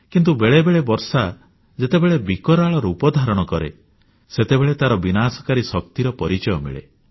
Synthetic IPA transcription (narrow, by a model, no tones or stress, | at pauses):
kint̪̬ubeɭebeɭebɔɾsa | d͡ʒet̪ebeɭebikɔɾaɭɔɾɔupɔd̪ʱaɾɔɽ̃ɔkɔɾḛ | set̪ebeɭet̪aɾɔbinasɔ̥kaɾisɔk̚t̪iɾɔpɔɾit͡ʃɔjɔmḭɭḛ